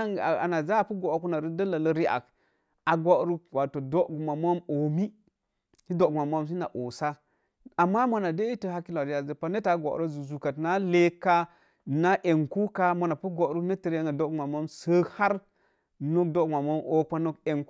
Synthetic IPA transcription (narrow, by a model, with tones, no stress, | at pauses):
a̰˨na˨za˦˨pu˦ɡo˨a˨ku˦na˨ɾi˦də˦la˨lə˦ɾi˦ʔa̰˨k | a˨ɡʷo˦ɾu˦kwa˨to˨do˦ʔɡu˨ma˨mo˦mo˨mi˦ | hi˦do˦˨ɡu˨ma˨mo˦ms̬i˦na̰˨ʔo˨sa˦ | a˨mːa˦mo˦na˨de˦i˦tə˨ɦa˦ki˦la˨ɾi˦a˨zə˨pa˦ne˦ta˨˦ɡʷo̰˨ʔɾo˦zu˨zu˨ka˨tna˦le˦ka˦ | na˦ʔe˨ŋku˦ka˦mo˨na˨pu˦ɡo˨ʔɾu˦ne˦tə˨ɾe˦ŋa˨do˦ɡu˨ma˨mo˦msə˦ha˦ɾ | no˦k̚do˦ɡma˨mo˦mo˨˦k͡pa˦no˦ke˨ŋk